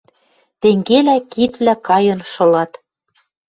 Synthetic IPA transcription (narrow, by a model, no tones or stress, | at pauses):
t̪eŋɡelækit̪βlækɑjɤ̆nʃɤ̆lɑt̪